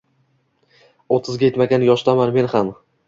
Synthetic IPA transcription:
ot̪ʰːɪzɡʲaje̞t̪maɡʲanjɒʃt̪amaɾme̞nham

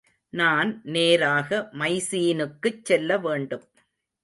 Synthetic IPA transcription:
naːnneːɾaːɣɐmɐɪsiːnɯkːɯt͡ʃsɛlːɐʋeːɳɖɯm

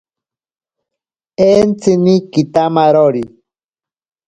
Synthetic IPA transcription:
ent͡sɨnikit̪amaɾoɾi

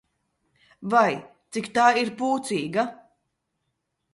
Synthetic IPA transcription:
vajt̪sikt̪aːiɾpuːt̪siːɡa

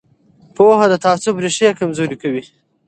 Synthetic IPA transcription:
poɦad̪ət̪ɑːsʊbɾeʃejakamzoɾikawi

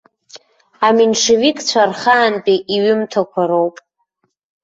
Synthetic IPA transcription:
aminʂevikʼt͡ɕʷʰarχaːnpʼiʔiɥɪmtʰakʷʰaɾowpʼ

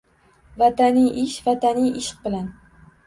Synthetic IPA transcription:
vat̪ʰanijʔɪʃvat̪anijʔɪʃq̚bɪlan

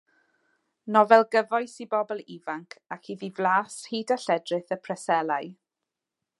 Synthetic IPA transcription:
nɔvɛlˠɡəvɔjsibɔbɔlˠivaŋkʰakʰhiðivlaːshiːdaɬɛdrɪθəpʰrɛsɛlˠaj

